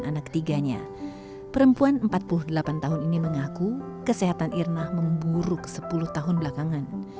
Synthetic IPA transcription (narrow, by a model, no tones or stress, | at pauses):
anak̚t̪iɡaɲa̰ | pəɾəmpuanəmpat̪̚puluhdəlapant̪aɦʊniniməŋaku | kəseɦat̪anʔirnahməmbuɾʊksəpulʊht̪aɦʊnbəlakaŋan